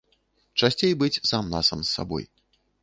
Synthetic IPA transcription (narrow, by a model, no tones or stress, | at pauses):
t͡ʂasʲt͡sʲejbɨt͡sʲsamnasamsːa̰bɔ̰j